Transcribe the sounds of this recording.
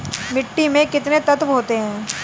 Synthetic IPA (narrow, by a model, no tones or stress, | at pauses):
mɪʈːimẽkɪt̪net̪ɐt̪ʋɦoːt̪eɦɛ̃ː